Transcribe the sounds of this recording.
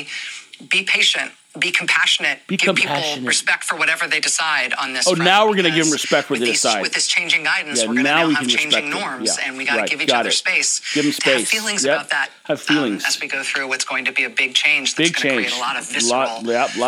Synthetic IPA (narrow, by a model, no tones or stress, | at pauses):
b̥ipʰeɪʃɨ̃nt̚ | b̥ikʰm̩pʰæʃɨnɨt̚b̥iɡ̥ə̃mpʰæl̩ʃˠɨ̃nɹɨspɛk̚tfə˞wʌɾɛvə˞ðeɪdɨsaɪɾ̃n̩ðɪsoʊnaʊwɪɹɡʌnɨɡɪvɪ̃mɹɨspɛk̚tfə˞ðɨdɨsaɪwɨððɪst͡ʃʰẽɪ̃nd͡ʒɪ̃ŋɡaɪdⁿn̩jænaʊwikɨnɹɨẽspɛkŋ̚nɔɹmjzæ̰ɨ̰̃nwiɡɹaɪɡɪviɡ̥ɑɾɨ̰tspeɪsɡ̥ɪvɨ̃mspeɪsfilˠɪ̃ŋzjæðæt̚ɨv̥filˠɪ̃ŋzɨzwiɡoʊθɹʉwʌtsɡ̥oʊɪ̃ŋtʰɨbiɨbɪɡ̚t͡ʃʰẽɪ̃nd͡ʒ̥ɪɡ̚t͡ʃʰẽɪ̃nd͡ʒlɔɾʌɪlɔlæl